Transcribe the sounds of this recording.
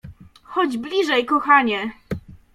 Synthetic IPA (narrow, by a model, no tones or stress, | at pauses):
xɔd͡ʑblʲiʐɛjkɔxaɲɛ